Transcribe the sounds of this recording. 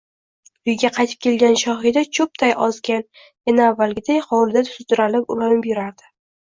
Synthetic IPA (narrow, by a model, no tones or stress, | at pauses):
ʊjɡʲaqʰɑjt̪ʰɪp̚kʲe̞lɡʲanʃɒχɪd̪at͡ʃʰʊp̚t̪ʰajɒzɡʲan | janaːvːalɡʲɪd̪ejχɒwlɪd̪at̪ʰʊ̥sɪt̪ʊɾalɪpʊlamɪbeɾaɾd̪ɪ